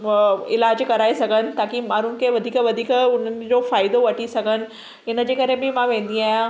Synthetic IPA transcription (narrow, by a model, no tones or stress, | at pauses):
ɪlaːd͡ʑkɐɾaːisɐɡʱənɪ̆t̪aːkimaːɾʊnɪ̆kʰeʋɐd̪ʱiːkʋɐd̪ʱiːkʊn̤ənɪ̆d͡ʑofaːɪd̪oʋɐʈisɐɡʱənɪ̆ | ɪnəd͡ʑeːkɐɾẽbɪmãʋẽːnd̪iaːɦjã